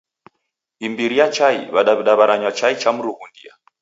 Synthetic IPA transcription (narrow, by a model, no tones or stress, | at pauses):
imbiɾiat͡ʃaḭβaɗaβiɗaβaɾaɲwat͡ʃait͡ʃam̩ɾuɣundḭa̰